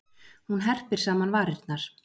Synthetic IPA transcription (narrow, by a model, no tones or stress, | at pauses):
hunɦɛr̥pɪɾ̥saːmanvaːɾɪɾt̪naɾ̥